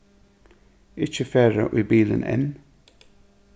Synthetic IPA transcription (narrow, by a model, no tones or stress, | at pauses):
ɪt͡ʃəfeːɹə̰ʔiːbiːlənʔɪ̰n